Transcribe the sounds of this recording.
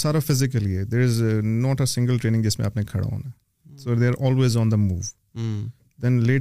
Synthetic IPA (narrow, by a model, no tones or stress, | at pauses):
saːɾafɪzɪkəlied̪eːɾɪznɔːʈəsɪ̃ŋɡəlʈɾeːnɪ̃ŋɡd͡ʒɪsmḛ̃apnẽkʰɐ̰ɽa̰o̰ːna | soːd̪eːɾʔɔːlweːzɔ̃ːnd̪əmṵːʋ | d̪ɛ̃nleː